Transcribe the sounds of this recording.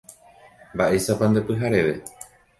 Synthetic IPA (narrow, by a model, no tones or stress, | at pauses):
mbaʔe̞sapand̪epɨɦaɾe̞ʋe